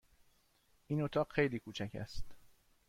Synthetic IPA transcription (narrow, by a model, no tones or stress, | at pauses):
ʔiːnot̪ʰɒːɢxejliːkʰuːt͡ʃʰæcʰæ̰st̪